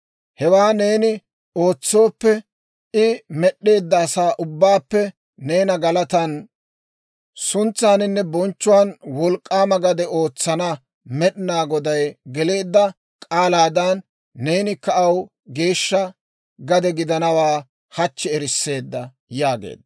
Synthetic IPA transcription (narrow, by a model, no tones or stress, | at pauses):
hɛwaːne̞ːnɪ | o̞ːt͡sːo̞ːpːɛ | ɪmɛɗːe̞ːd̪ːɐːsaːʔʊbːaːpːɛ | ne̞ːnɐɡɐlɐt̪ɐn | sʊnt͡sːaːnɪnːɛbɔnt͡ʃːʊwaːnwɔlkʼːaːmɐɡɐd̪ɛo̞ːt͡sːɐnɐ | mɛɗɪnaːɡɔd̪ɐjɡɛle̞ːd̪ːɐ | kʼaːlaːd̪ɐnː | e̞ːnɪkɐʔɐw | ɡe̞ːʃːɐ | ɡɐd̪ɛɡɪd̪ɐnɐwaː | hɐt͡ʃːɛɛɾɪsːe̞ːd̪ːɐ | jaːɡḛːd̪ːɐ